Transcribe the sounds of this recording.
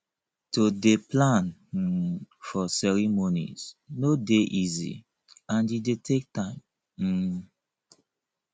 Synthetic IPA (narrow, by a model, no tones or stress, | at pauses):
todeplãn̩ | fɔsɛɹimonḭz̥nodeʔizḭ | ãnidetʰek̚tãɪ̃m̩